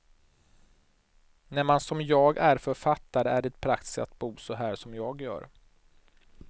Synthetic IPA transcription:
næɾmansɔmjɑːɡæɾfœɾfat̪ːaɾəæɖɛt̪̚pʰɾakt̪ɪ̥sa̰t̪̚buːsɔɦæːʂɔmjɑːɡjœ̰ːɾ

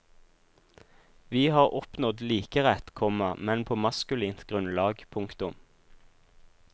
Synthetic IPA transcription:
ʋiːhɑːʁʔɔpnɔd̪liːkəʁɛt̪kʰɔməmɛnpʰoːmɑskʉliːnt̪ɡʁʉnlɑːɡpʰʊŋkt̪ʊm

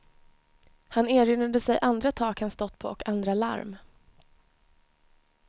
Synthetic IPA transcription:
haneːɾʏnad̪əsɛjʔand̪ɾat̪ʰɑːkhanst̪ɔt̪ːpʰo̰ːɔkand̪ɾala̰ɾm

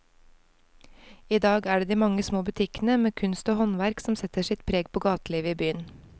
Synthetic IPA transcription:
iːd̪ɑːɡæːɖeːd̪iːmɑŋːəsmoːbʉt̪ʰɪknəmeːkʰʉnst̪oːhɔnʋæɾksɔmsɛt̪əʂɪt̪̚pʰɾeːɡ̚pʰoːɡɑːt̪liːʋəiːbyːən

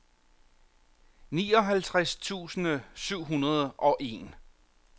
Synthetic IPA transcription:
nḭːɒ̽ɦælt͡sʰʁaɛst͡sʰṵːsn̩syʊ̰ɦunɐð̞ˠʔɒ̽ʔe̝̰n

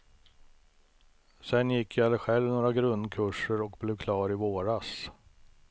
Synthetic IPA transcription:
sɛnjɪkːjaɛlːəɾɧɛlvnoːɾaɡɾɵnd̪kʰɵʂəɾɔk̚blɛvkʰlɑːɾɪvoːɾas

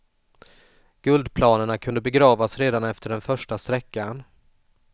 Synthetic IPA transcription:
ɡ̥ɵld̪pʰlɑːnəɳakʰɵnd̪əbɛɡɾɑːvasɾeːd̪anɛft̪əɖɛnfœʂʈast̪ɾɛkːan

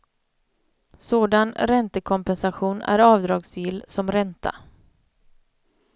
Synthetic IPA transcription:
soːd̪anɾɛnt̪əkʰɔmpɛnsaɧuːnæ̰ɾɑːvd̪ɾɑːɡsjɪlːsɔmɾɛnt̪ʰa̰

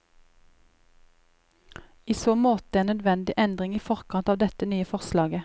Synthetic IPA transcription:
iːsoːmoːt̪̚eːnœd̪ʋɛnd̪ɪʔɛnd̪ʁɪŋiːfɔʁkʰɑnt̪ɑːʋd̪ɛt̪ənyːəfɔʁslɑːɡə

